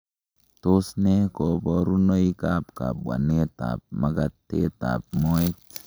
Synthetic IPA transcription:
t̪o˦sne˦ko˨bɔ˦ɾu˦no˦ika˦pka̰˨pwa̰˨ne˦t̪a̰˨p̚ma˦ɡa˦t̪ːe˦t̪a̰˨p̚mo˦e˦t

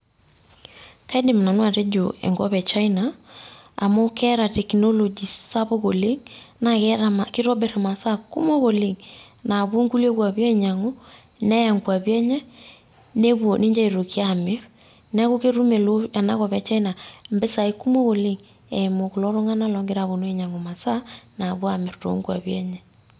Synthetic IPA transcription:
ka˦dɪ˨m˨na˨nwa˨te˦d͡ʒo˨ɛ̰˨ŋɡɔ˦βɛ˨t͡ʃa˦inaː˨ | mo˦kʰɛ˦ɾa˨tɛ˨kno˦lo˨d͡ʒi˨sa˦βo˦ko˨lɪ˦ŋna˨kɛ˦ɾa˨ma˨kɪ˦ɾɔ˦bɛ˨ɾa˨ma˨sa˦kṵ˦mo˦ɣo˨lɪ˨ŋ | na˨βo˦ŋɡu˦le˦kwa˨βja˦i˦˨ɲa˨ŋo˦ | nɛ˦ja˨ŋɡwa˨βjɛ˦ɲɛ˦ | ne˦βwo˨ne˦ɲd͡ʒa˦i˨ɾo˨ki˦a˦˨me˦ɾ | nɛ˦ɣo˦ke˦ɾu˦me˨lo˦ja˨na˦ɣɔ˨βɛ˦t͡ʃa˦i˦na˨mbe˦sa˨e˦ku˦mo˦ɣo˨le˦ŋ | ɛmo˨ko˨lɔ˦ɾo˦ŋa˦na˦lɔ˦ŋɡe˦ɾa˨βo˨no˦e˨ɲa˨ŋo˨ma˨sa˦na˨βwa˨me˨ɾto̰˨ŋɡwa̰˨βjɛ˦ɲɛ˦

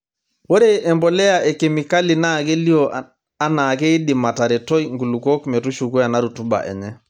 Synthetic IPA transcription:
wo˦ɾe˦ʔɛ˨mbɔ˨lɛ˦ja˦ʔɛ˨kɛ˨mi˨ka˦li˨na˦ke˦li˦o˨ | a˦na˨ke˦i˦ɗi˨ma˨ta˨ɾɛ˨tɔ˦jŋɡu˨lu˨kɔ˦kmɛ˨tu˦ʃu˨ku˦a˨na˦ɾu˨tu˦ba̰˨ʔɛ̰˨ɲɛ˦

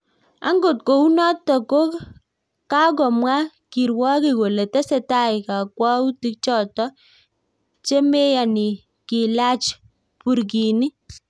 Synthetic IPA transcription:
a̰˦ŋɡo˨t̚ko˨u˦nɔ˦tːɔ˨ko˦k | ka˦k̬ɔ˨mwa˦ | ki˨ɾwa˦ki˦˨ko˨le˨tɛ˦se˨ta˦˨ɪ˨ka˨kwa˦u˦ti˦k̚t͡ʃɔ˨tɔ˦ | t͡ʃe˦me˦ja˨ni˨ | ki˨la˦t͡ʃ | pu˨ɾk̬i˨ni˦

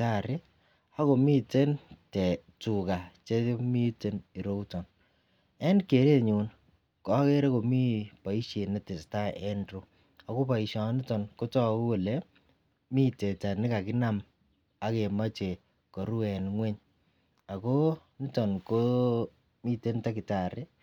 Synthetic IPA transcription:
ta˦˨ɾɪ˦ | a˦ko˨mi˦te˦ntɛ˨tu˨ka˨t͡ʃe˦mi˦te˦ni˨ɾo˦wtɔ˨n | ɛ˦nke˨ɾe˦ɲu˨n | kɔ˦ke˦ɾe˦ko˨mi˦pa˨i˦ʃe˨nɛ˦tɪ˨sta˦ɛ˦nɾo˨ | a˨ko˦pa˨i˨ʃɔ˨˦nɪ˦tɔ˨nko˦tɔ˦˨kwe˨le˦ | mi˦te˨ta˨nɪ˦ka˨kɪ˦na˦m | a˦ke˨ma˦t͡ʃe˨ | kɔ˨ɾu˦ɛ˨nŋwɛ˦ɲ | a˨ko˦ni˦tɔ˨nko˦ | mi˦te˦nta˦kɪ˨ta˨ɾɪ˦

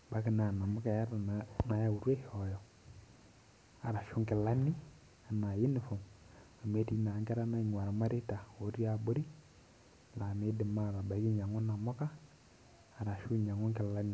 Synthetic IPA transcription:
ba˨˦kɪ˦na˨na˨mɔ˦ka˨ja˦ɾa˨na˨ja˦˨u˨ɾwɛ˦hɔ˨jɔ˨ | a˨ɾa˨ʃʊ˦ŋkɪ˨la˦ni˦ | a˨na˨jɪ˦nɪ˨fɔ˨m | a˨me˦ti˦na˨ŋkɛ˦ɾa˦na˦˨ɲwa˨ɾa˨ma˦ɾe˦ta˨o˨˦ɾi˦a˨bʊ˦ɾi˦˨ | la˨me˦dɪ˨ma˦˨la˨ba˨˦ki˦ɲa˨ŋɔ˦na˨mɔ˦kaː˦˨ | ɾa˨ʃu˦ɲa˨ŋɔ˦ŋkɪ˨la˦ni˦˨

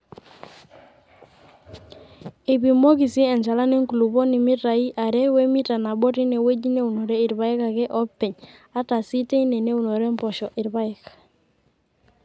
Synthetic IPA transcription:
e˨bi˨mo˦ki˨si˦ɛ˨nt͡ʃa˨la˦ne˦ŋku˨lu˨bo˦ni˨mi˦ta˨i˦ʔa˨ɾɛ˦we˦mi˦ta˨na˨bɔ˦ɾi˦ne˨we˦ɟi˦ne˦u˨no˨ɾe˦i˨ɾba˨˦ɛ˦ka˨ɡɛ˦ʔɔ˦pːɛ˨ɲa˦ta˨si˦te˦i˦ne˨ne˦u˨no˨ɾe˦mpɔ˨ʃɔ˨ʔi˨ɾba˦i˨ka

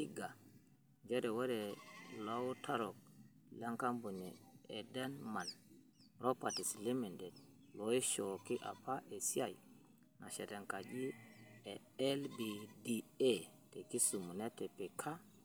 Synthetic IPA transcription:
i˦ɡa˨ | d͡ʒe˦de˨we˦de˨lo˦wu˦tʰa˦ɾo˨k̚ | le˦ŋka˦mbu˨ni˨e˨de˦nma˨n | ɾo˦pa˨ti˨sli˦mi˨ndɛ˨d̚ | lo˨i˦ʃo˨ki˦ʔa̰˨pa˦ʔe˨si˦a˨j | na˨ʃe˨te˨ŋka˨d͡ʒi˦e˨ | ɛ˦lbi˨di˨e˦ | te˨ki˦su˨mu˨ne˦te˨pi˨kʰa˦

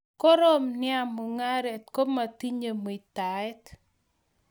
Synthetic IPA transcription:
ko˦ɾo˦mnɪ˦a˦mu˨ŋa˦ɾɛ˨t̚ko˦ma˨ti˦ɲe˨m˨i˨ta˨ɛ˦t

